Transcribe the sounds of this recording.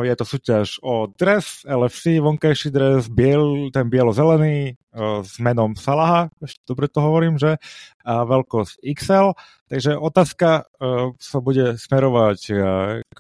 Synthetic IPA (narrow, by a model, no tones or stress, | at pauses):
jɛt̪ɔsuːcaʒɔd̪ɾɛsɛlɛfsiʋɔŋkajʃid̪ɾɛzbɪɛt̪ɛnbɪɛlɔzɛlɛniː | zmɛnɔmsalaɦaɛʃcɛd̪ɔbɾɛt̪ɔɦɔʋɔɾiːmʒɛ | aʋɛlkɔsiksɛl | t̪aɡʒɛʔɔt̪aːska | sabuɟɛsmɛɾɔʋac